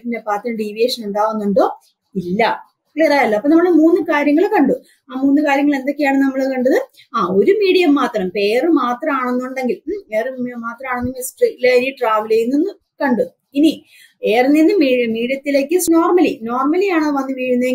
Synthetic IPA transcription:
kindepaːt̪ːiɖiːʋieːʂɐne̞nd̪aːʋunːuɳɖo̞ː | ilːɐ | kɭeːɾaːjilːɐɐpːoːnɐmːɐɭɨmuːnːɨkaːɾjɐŋːɐɭkɐɳɖu | aːmuːnːɨkaːɾjɐŋːɐɭe̞nd̪o̞kːejaːɳɨnɐmːɐɭkɐɳɖɐðɨ | aːo̞ɾumiːɽijɐmːaːt̪rɐmpe̞ːjrɨmaːt̪rɐmaːɳonːuɳɖe̞ŋɡileːrɨmaːt̪rɐmaːɳonːimisʈrilaɾiʈraːʋɐlejunːinːɨ | kɐɳɖu | ini | eːrɐnːinːɨmiːɽijɐmiːɽjɐt̪ːileːkːɨsno̞ːrmɐlino̞ːrmɐlijaːɳoɨʋɐnːɨʋiːɻunːɐðe

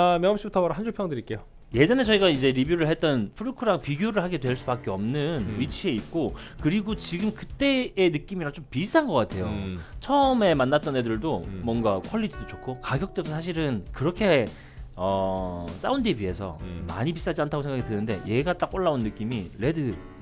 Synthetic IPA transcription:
amjʌŋʌmɕ͈ʰibutʰʌʌɾaɦand͡ʑupʰjʌŋdɯɾik͈e̞jo | je̞d͡ʑʌne̞t͡ɕʌiɡaid͡ʑe̞ɾibjuɾɯɭɦet͈ʌnpʰɯɾukʰɯɾaŋpiɡjoɾɯɭɦaɡe̞dwe̞ɭs͈ubak͈eʌmnɯnɥit͡ɕʰie̞it̚k͈okɯɾiɡot͡ɕiɡɯmkɯt͈e̞ːnɯk͈imiɾat͡ɕ͈ompistʰanɡʌk͈atʰe̞jot͡ɕʰʌʌme̞manːat͈̚ʌnedɯɭdomʌŋɡakʰʌɭːitʰidot͡ɕokʰokaɡjʌk̚t͈wesʰsʰaɕ̬ʰiɾɯnkɯɾʌkʰe̞ | ʌs͈aundebiɦe̞sʰʌ̰ma̰ɲipis͈ad͡ʑiantʰaɡosʰeŋɡakitɯnɯnde̞̰je̞ɡat͈ak͈oɭːaunːɯk͈imiɾe̞dɯ

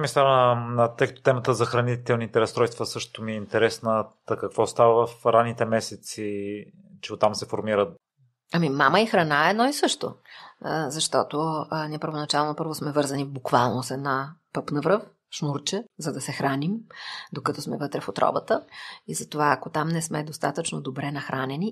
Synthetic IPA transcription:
mist̪avt̪ɤjkət̪o̥t̪ɛmət̪əzɐxɾɐnit̪ɛlˠnit̪ɛɾɐst̪ɾɔjst̪vəsɤʃt̪omiɛint̪ɛɾɛsnət̪ɐkɐkvɔst̪avəvɐfɾanːit̪ɛmɛsɛt̪si | t͡ʃɛot̪amsɛfoɾmiɾət̪ | ɐmimaməixɾɐnaɛɛd̪nɔisɤʃt̪o̰ | zɐʃt̪ɔt̪onʲiɛpəɾvonɐt͡ʃalˠonopɤɾvosmɛvɤɾzɐnibukvalˠnosɛd̪napɤpnɐvɾɤf | ʃnuɾt͡ʃɛzɐd̪ɐsɛxɾanimd̪okɐt̪ɔsmɛvət̪ɾɛfot̪ɾɔ̰bət̪əizɐt̪ovaːkot̪amnɛsmɛd̪ost̪at̪ət͡ʃnod̪obɾɛnɐxɾʔanɛni

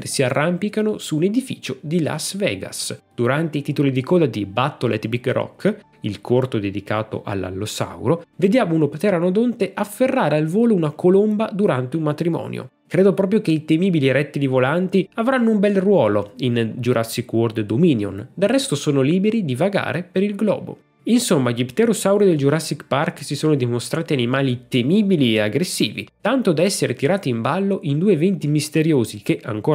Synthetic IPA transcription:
siarːampikanosuːned̪ifḭːt͡ʃod̪ila̰svɛ̰ːɡa̰sd̪̥uɾant̪eit̪iːt̪olid̪ikɔːd̪ad̪ibat̪ːolɛ̰t̪biɡrɔ̰kː | ilkʰort̪od̪ed̪ikaːt̪o̰ʔa̰lːa̰lːosa̰wɾoved̪jaːmounopet̪ɛɾanod̪ont̪eʔafːerːaːɾealvoːlounakolombad̪uɾant̪eunmat̪ɾimɔ̰ːnjo̰ | kɾeːd̪opɾɔːp̬ɾjokeit̪emiːbiliɾɛt̪ːid̪ivolant̪iavɾanːoumbɛlrwɔːloind͡ʒuɾʔasːikword̪d̪omiːnjo̰nd̪arːɛst̪osoːnoliːbeɾid̪ivaɡa̰ːɾepeɾilɡlɔ̰ːbo̰ | insomːaʎipt̪eɾosawɾid̪eld͡ʒuɾasːikparksisoːnod̪imost̪ɾaːt̪ianimaːlit̪emiːbilieaɡɾesːiːvḭt̪ant̪od̪aɛsːeɾet̪iɾaːt̪iːmbalːoʔind̪uːevɛnt̪imist̪eɾjoːzikeʔa̰ŋkoː

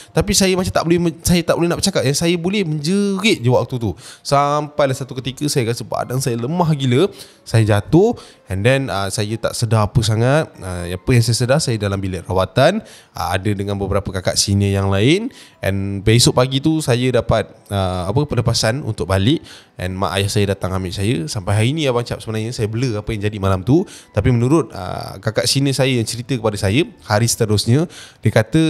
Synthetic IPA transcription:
t̪apisajəmat͡ʃamt̪a̰ʔbolɛhəsajət̪aʔ̚bolɛɦnaʔbət͡ʃakap̚jaŋsajəbolɛhməɲd͡ʒəɾɪʔ̪̚d͡ʒiwaʔk̚t̪ut̪usampajlahsat̪ukət̪ikəsajəkasəpa̰ʔa̰daŋsajələmaɦɡilə | sajəd͡ʒat̪ʊh | ɛndɛnəsajət̪a̰ʔsədaɦapəsaŋat̪̚əapəjaŋsajəsədahsajədalambilɛʔ̪̚rawat̪an | ə̰a̰dədəŋãnbəbəɾapəkaka̰ʔsinə̃jaŋlaɪnʔɛ̰npeisʊʔpaɡit̪usajədapat̪̚əapəpələpasanṵnt̪ʊk̚balɪʔ | ʔɛ̰nma̰ʔa̰jahsajədat̪aŋamɪʔsajəsampajɦaɾinijabaɲt͡ʃa̰p̚səbənaɲəsajəbələapəjaŋd͡ʒadimalamt̪ut̪apimənuɾʊt̪̚ə̰kakaʔsinəsajəjaŋt͡ʃəɾit̪əkəpadəsajəhaɾisə̥t̪əɾʊsɲədəkat̪ə

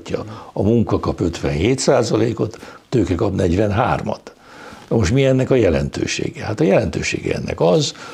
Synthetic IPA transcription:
cːɒɒmuŋkɒkɒpø̞t̪ʋɛ̰nɦeːt̪saːzɒleːko̞t̪ːøːkɛkɒpnɛɟʋɛnɦa̰ːrmɒ̰t̪ | nɒmoʃt̪miɛnːɛkɒjɛlɛ̰nt̪ø̰ːʃḛːɡɛhat̪ɒjɛlɛnt̪øːʃḛːɡɛ̰ɛ̰nːɛ̰kɒz

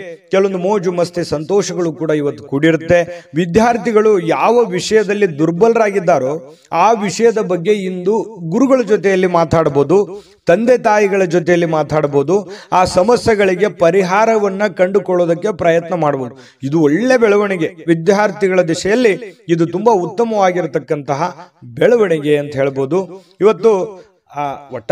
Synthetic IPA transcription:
kɛlːʋond̪umoːd͡ʒumɐst̪ʰisɐnt̪ɔːʂɐɡɐɭukuːɽɐiʋɐt̪ːu̥kuɽiɾut̪ːe̞ʋid̪jaːɾt̪iɡɐɭujaːʋɐʋiʂɐjɐd̪ɐlːid̪uɾbɐlɾaːɡid̪ːaːɾo̞ː | aːʋiʂɐjɐd̪ɐbɐɡːe̞ind̪uɡuɾuɡɐɭɐd͡ʒot̪ɛjɐlːimaːt̪aːɽɐboːd̪u | t̪ɐnd̪et̪aːjiɡɐɭɐd͡ʒot̪ɛjɐlːimaːt̪aːɽɐbo̞ːd̪uaːsɐmɐsjɛɡɐɭiɡe̞pɐɾiɦaːɾɐʋɐnːɐkɐɳɖukɔɭːoːd̪ɐkːe̞pɾɐjɐt̪nɐmaːɽɐboːd̪u | id̪uɔɭːe̞bɛɭɐʋɐɳiɡe̞ʋid̪jaːɾt̪iɡɐɭɐd̪iʂɐjɐlːiːd̪ut̪umbaut̪ːɐmɐʋaːɡiɾut̪ɐkːɐnt̪ɐɦɐbɛɭɐʋɐɳɛɡe̞ɐnt̪ɐɦeːɭbo̞ːd̪u | iʋɐt̪ːu | ɔʈː

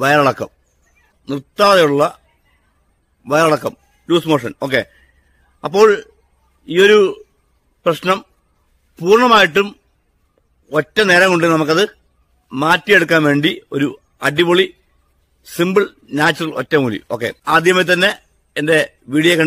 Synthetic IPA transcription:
ʋɐjɐɾɐɽɐkːɐm | nirt̪ːaːðɐjuɭːɐ | ʋɐjɐɾɐɽɐkːɐm | luːsmo̞ːʂɐ̰no̞ːk̬ːe̞̰ | ɐpːo̞ːɭ | iːo̞ɾu | prɐɕnɐm | puːrɳɐmaːjiʈːum | o̞tːɐne̞ːɾɐŋkuɳɖinɐmɐkːɐðɨ | maːtːijeɽukːaːnʋe̞ːɳɖio̞ɾu | ɐɖipoɭi | simbɨɭ | naːt͡ɕːɐrɐɭo̞tːɐmːuːlḭo̞ːkːe̞̰aːd̪ʱjɐmɐt̪ɐnːe̞ | ende̞ | ʋiːɽijɐkːɐɳ

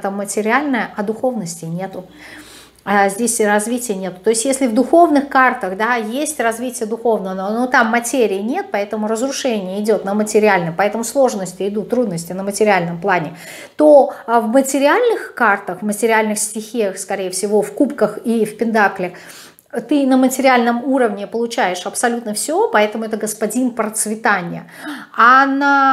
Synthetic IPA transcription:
t̪əmːətʲɪɾʲɪalʲnəjəʔɐd̪ʊxo̞vnəsʲtʲɪnʲe̞t̪ʊ | azʲdʲesʲrɐzvʲitʲɪjənʲe̞t̪ʊ̥t̪o̞ɪsʲtʲjesʲlʲɪvd̪ʊxo̞vnɨxkart̪əxd̪ajesʲtʲrɐzvʲitʲɪjəd̪ʊxo̞vnəənonot̪amːɐtʲeɾʲɪɪnʲe̞t̪̚pɐɛt̪əmʊɾəzɾʊʂɛnʲɪjəɪdʲo̞t̪nəmətʲɪɾʲɪælʲnəmpɐɛt̪əmʊslˠo̞ʐnəsʲtʲɪɪd̪ut̪ːɾud̪nəsʲtʲɪnəmətʲɪɾʲɪælʲnəmplˠanʲɪ | t̪ovmətʲɪɾʲɪalʲnɨxkart̪əxmətʲɪɾʲɪælʲnɨxsʲtʲɪxʲixskɐɾʲejəfsʲɪvo̞fkupkəxifpʲɪnt̪aklʲɪx | t̪ɨnəmətʲɪɾʲɪalʲnəmuɾəvnʲɪpəlˠʊt͡ɕæjɪʂɐpsɐlʲut̪nəfsʲopɐɛt̪əmʊɛt̪əɡəspɐdʲinpɾət̪svʲɪt̪anʲɪjə̰ | ana

